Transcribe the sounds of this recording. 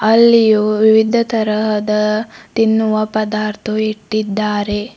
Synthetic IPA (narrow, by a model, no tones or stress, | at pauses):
ɐlːijuʋiʋid̪ʱɐt̪ɐɾɐɦɐd̪ɐt̪inːuʋɐpɐd̪aːɾt̪ʰuiʈːid̪ːaːɾe̞